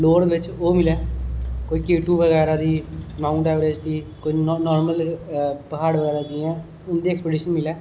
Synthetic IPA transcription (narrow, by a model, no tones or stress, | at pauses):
loːɾd̪ːʋɪt͡ʃoːmɪlɛːkoːiːkeːʈuːʋəɣɛːɾaːd̪iːmaːuɳʈaːʋɾed͡ʒd̪iːkoinɔːɾməlpəɦaːɽʋəɡɛːɾaːd̪iːɛ̃ː | ʊnd̪iːɛkspeːɖiːʃənmɪlɛː